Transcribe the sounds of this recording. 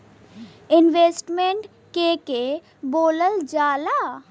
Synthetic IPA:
ɪnʋeːsʈmeɳʈ | keke | boːləld͡ʒaːla

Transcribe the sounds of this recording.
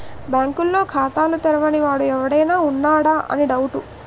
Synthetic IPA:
bjaːŋkulːo̞ːkʰaːt̪aːlut̪ɛɾɐʋɐniʋaːɽuɛʋɐɽɐjnaːunːaːɽaːʔɐ̰niɖɐwuʈu

